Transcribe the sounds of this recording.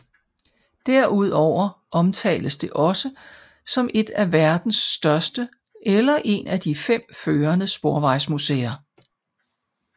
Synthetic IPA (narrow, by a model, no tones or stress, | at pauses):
d̥æɐʔuð̞̰ˠɒʊ̰ɐʔɒ̽mt͡sʰɛ̰ːləsd̥e̝ʔɒ̽sə | sɒ̽mʔe̝d̥æʋæɐd̥n̩sːd̥ɶɐsd̥ə | ʔelɐʔe̝næd̥ifem̰føːɐnəsb̥o̝ɐʋɑ̈ɪ̰smusḛːɐ